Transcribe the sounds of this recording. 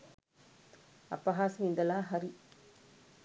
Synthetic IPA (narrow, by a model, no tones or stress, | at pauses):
ɐ̰pːɐɦaːsɐmɪnd̪ɐlaːɦɐɾi